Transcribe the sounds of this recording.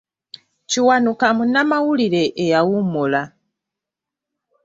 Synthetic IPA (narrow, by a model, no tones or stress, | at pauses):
t͡ʃiwanukamunamaulilɛʔːjawumula